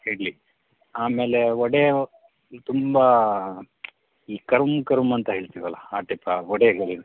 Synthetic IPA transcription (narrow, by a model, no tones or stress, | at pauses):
heːɽli | aːme̞ːleɔɽe | t̪umbɐ | iːkɐɾumkɐɾumɐnt̪ɐɦeːɭt̪iʋɐlːɐaːʈipːɐɔɽeɡɐɭi